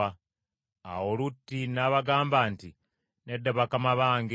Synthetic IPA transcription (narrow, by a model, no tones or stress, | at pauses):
a | a̰wolutːinaːβaɡaːmbaːnti | nedːeβakamaβaːŋɡi